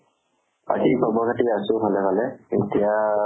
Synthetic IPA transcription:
a̰zikʰɔbɔkʰatiasʊpʰalɛpalɛetia

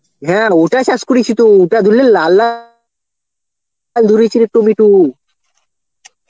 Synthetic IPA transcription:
ɦɛ̃oʈat͡ɕaskuɾit͡ɕʰit̪uuʈad̪ʱulːellalːa | ld̪ʱuɾit͡ɕʰiɾek̚ʈomiʈu

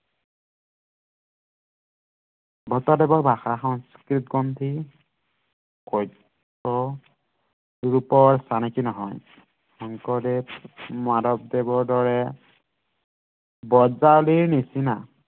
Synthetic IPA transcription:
bʱɔtɔdɛbɔɹbʱaxaxɔnskɹit̪̚ɡɔntʰi | kɔjt | ɔ | uɹupɔɹsanikinɔɦɔ̰j | xɔŋkɔdepmaɾɔp̚debɔɹdɔɹɛ | bɔzaliɹnisina

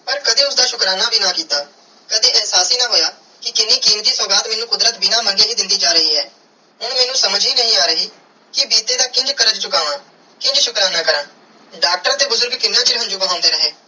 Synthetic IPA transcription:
pəɾkəd̪eːʊsd̪aːʃʊkɾaːnaːbʱiːnaːkiːt̪aː | kəd̪ẽːɛɦsaːsiːnaːɦoːjaː | kɪk̪ɪnːiːkiːmt̪iːsɔːɡaːt̪mɛːnũːkʊd̪ɾət̪binaːməŋɡeːɦiːd̪ɪnd̪iːd͡ʒaːɾəɦiːɦɛː | ɦʊnmɛːnũːsəməd͡ʒɦiːnəɦĩːaːɾəɦiː | kɪbiːt̪eːd̪aːkɪ̃nd͡ʒkəɾəd͡ʒt͡ʃʊkaːʋãː | kɪ̃ɲd͡ʒʃʊkɾaːnãːkəɾãː | ɖaːk̚ʈəɾãːt̪eːbʊzʊɾɡkɪnːãːt͡ʃɪlɦə̃nd͡ʒuːbəɦãːnd̪eːɾəɦeː

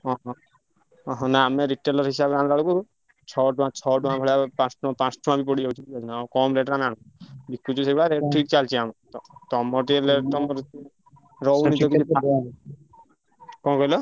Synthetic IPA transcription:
ɔɦɔ̃ | ɔɦɔ̃naːmeɾiʈːelɔɾɦisabeɾanɾaɽukuɾ | t͡ʃʰɔʈuãt͡ʃʰɔʈuãbʱɔɭapãsʈʰuãpãsʈʰuãbipɔɽid͡ʒaut͡ʃʰibiɔd͡ʒʰinaawkɔmɾeʈɾanaɽ̃uk | bikːut͡ʃʰus̬eɡuɭaɾeʈʈʰiʈt͡ʃalt͡ʃʰiamt̪ɔt̪ɔmɔʈielet̪ɔmɔɾti | ɾɔwnit̪ɔkit͡ʃʰia | kɔ̃kɔjlɔ

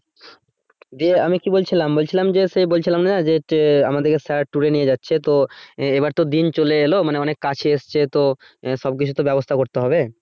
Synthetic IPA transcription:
d̪ieamikibolt͡ɕʰilambolt͡ɕʰilamd͡ʑesebolt͡ɕʰilamnanad͡ʑeʈa̰mad̪eɾkesaɾʈːuɾenijed͡ʑatːɕʰet̪oebaɾt̪od̪int͡ɕoleelomaneɔnekːat͡ɕʰeeʃt͡ɕʰet̪o | ʃɔb̚kit͡ɕʰut̪obɛbost̪ʰakoɾt̪eɦɔbe

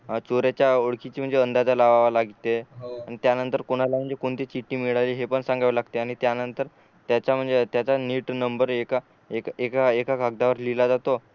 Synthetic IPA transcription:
t͡soɾjat͡ɕjaoɭkit͡ɕiːm̤əɳd͡zeənd̪ad͡zalaʋaʋalaɡit̪eaɽ̃it̪janənt̪əɾkoɽ̃alam̤əɳd͡zekoɳt̪it͡ɕiʈːiːmiɭaliːɦepəɳsãŋɡaʋlaɡt̪eaɽ̃it̪janənt̪əɾ | t̪jat͡ɕam̤əɳd͡zet̪jat͡saniːʈnəmbəɾeka | ekekaekaɡʱaɡ̚d̪aʋəɾlilad͡zat̪o

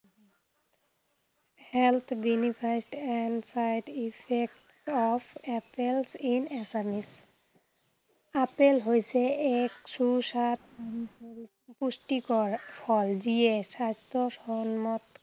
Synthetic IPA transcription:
helt̪ʰbinipʰasʈɛnsajɖipʰek̚ʈsɔpʰɛpelsinesamis | apelɦojsʰeɛkʃuusat̪ | pusʈikɔɹpʰɔld͡ʑiesast̪oʃɔnmɔt̪

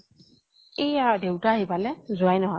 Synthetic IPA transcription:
ejadewtaːɦibalɛzʊajnɔɦɔj

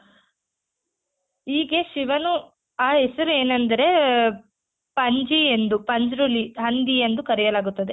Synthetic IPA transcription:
iːɡe̞ʃiʋɐnu | aːesɐɾueːnɐnd̪ɐɾe̞ | pɐɲd͡ʒiend̪upɐɲd͡ʒɾuliɦɐnd̪ie̞nd̪ukɐɾijɐlaːɡut̪ːɐd̪e

